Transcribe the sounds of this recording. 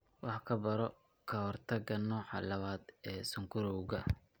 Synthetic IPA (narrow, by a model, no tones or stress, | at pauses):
wɑħkʰɐbɐɾɔ | kʰɐhɔrt̪ʰɐɣɐnɔːħɑ̰lɐβaːd̪ɛːsʊŋkʰʊɾɔwɣɐ